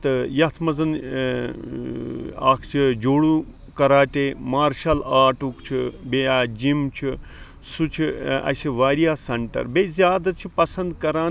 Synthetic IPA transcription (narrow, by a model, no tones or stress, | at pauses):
t̪ɨjɐt̪ʰmɐzɐn | a̰ːkʰt͡ʃʰid͡ʒoːɽu | kɐɾaːʈeːmaːɾʃɐlaːʈukt͡ʃʰibeaːd͡ʒimt͡ʃʰi | sut͡ʃʰiɐ̰siʋaːɾijaːsɐɳʈɐ̰ɾbezʲjaːd̪ɐt͡ʃʰipɐsɐnd̪kɐɾaː